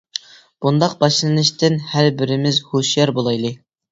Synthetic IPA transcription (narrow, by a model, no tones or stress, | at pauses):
b̥und̪ɑq̚b̥ɑʃlˠɨnɨʃt̪ɪnhæɾbɪɾɪmɪzhoʃjɛɾbolˠɑjlˠɨ